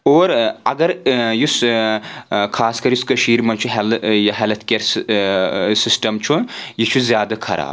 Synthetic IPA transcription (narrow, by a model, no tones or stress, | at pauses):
oːɾɐɡɐɾjus | kʰaːskɐɾjuskɐʃiːɾmɐnt͡ʃʰuɦɐljɐɦɐlɐt̪ʰkʲeɾ | sisʈɐmt͡ʃʰunjit͡ʃʰuzjaːd̪ɐkʰɐɾa̰ːb